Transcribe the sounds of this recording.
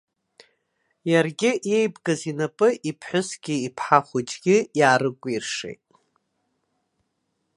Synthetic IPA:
jarɡʲɪʔje̞jbɡazinapʼɨʔipʰħʷʊsɡ̥ʲɪipʰħaχʷʊd͡ʒɡʲɪjaːɾɨkʷʼirʂḛjtʼ

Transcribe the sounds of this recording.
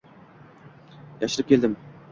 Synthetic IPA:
jɑʃɪɾɪp̚kʲʰeld̪ɪm

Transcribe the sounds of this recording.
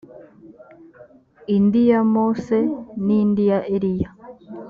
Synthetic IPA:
indijamosenindijaʔeɾija

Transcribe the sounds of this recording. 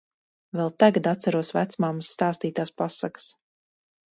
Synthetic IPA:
vɛlˠt̪aɡad̪at̪saɾuɔsvæt̪smamsːt̪aːst̪iːt̪aːspasaks

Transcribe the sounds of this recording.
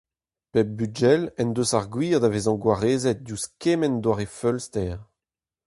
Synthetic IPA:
pɛb̚byd͡ʒɛlɛnd̪øsaʁɡwiːʁd̪avezɑ̃ɡwaʁeːzɛt̪̚djuskemɛnd̪waʁefœlst̪ɛːʁ

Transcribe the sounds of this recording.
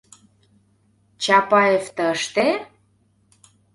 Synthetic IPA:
t͡ɕɑpɑeft̪ə̆əʃt̪e

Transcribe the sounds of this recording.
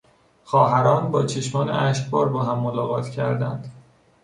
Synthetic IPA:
xɒːɦæɾɒːnbɒːt͡ʃʰeʃmɒːnḛæʃq̚bɒːɾbɒːɦæmːolɒːɣɒːt̪ʰcʰæ̰ɾd̪æ̰nd̪̥

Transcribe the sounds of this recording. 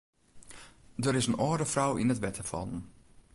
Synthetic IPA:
dəɾɪsənɔːdəfrawɪnətbɛtʰəfɑ̰lˠən

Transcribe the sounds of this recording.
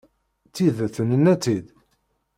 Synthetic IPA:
t͡sːiðæθənənːæt͡sːid̪

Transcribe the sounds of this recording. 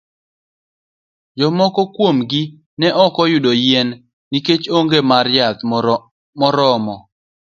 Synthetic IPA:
d͡ʒɔmɔkɔkwomɡɪ | nɛʔɔkɔjʊdojɛnː | iket͡ʃoŋɡemaɾjat̪ | mɔɾɔmɔ

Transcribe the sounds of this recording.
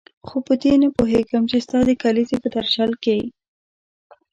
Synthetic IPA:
xopət̪enəpoɦeɡəmt͡ʃest̪ɑd̪əkalisepəd̪aɾʃalkej

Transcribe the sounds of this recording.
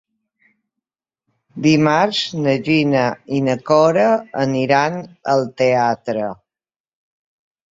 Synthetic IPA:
d̪imaɾznəʒinəinəkɔɾəəniɾanəlˠt̪eat̪ɾə

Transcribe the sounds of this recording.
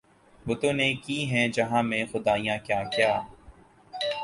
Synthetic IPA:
bʊt̪õːnekiːɦɛ̃ːd͡ʒɐɦãːmẽxʊd̪aːijãːkjaːkjaː

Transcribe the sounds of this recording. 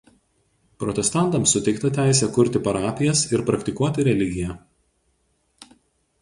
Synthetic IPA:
pɾɔt̪ʲɛst̪ɑˑnt̪ɐmsːʊt̪ʲɛɪkt̪ɐt̪ʲæˑɪs̬ʲɛkʊɾʲˑt̪ʲɪpɐɾɑːpʲɪjɛsɪɾpɾɐkt̪ʲɪkuɔt̪ʲɪɾʲɛlʲɪɡʲɪjɛ

